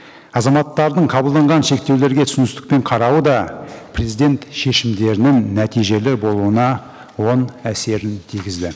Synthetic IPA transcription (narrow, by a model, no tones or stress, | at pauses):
ɑzɑmɑt̪ːɑɾd̪əɴqʰɑbəlˠd̪ɑɴʁɑnʃe̞k̚t̪e̞wle̞ɾɡʲe̞t̪ʰʏsɪnʏst̪ɪk̚pe̞ɴqʰɑɾɑwəd̪ɑpre̞zijd̪e̞nt̪ʃe̞ʃɪmd̪e̞ɾɪnɪŋnːæt̪ijʒe̞lɪbo̞lˠuənɑ | wo̞næse̞ɾɪnt̪ʰiɡʲɪzd̪ɪ